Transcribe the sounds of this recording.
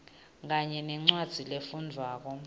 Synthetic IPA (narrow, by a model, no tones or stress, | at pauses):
kaɲɛnɛŋ͡ǀwad̥z̥ʱilefundʱwaːk̬ɔ